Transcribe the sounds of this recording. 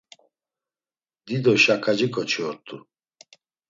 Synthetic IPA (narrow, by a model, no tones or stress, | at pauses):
d̪id̪ɔʃakʰad͡ʒikʰʼɔt͡ʃʰɔɾt̪ʼu